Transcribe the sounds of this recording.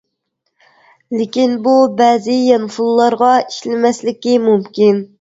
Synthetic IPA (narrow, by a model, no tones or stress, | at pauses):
lɪkʲinbubɛːzɪjɛnfulˠlˠɑɾʁɑi̥ʃlɪmɛslɪkʲimumkʲin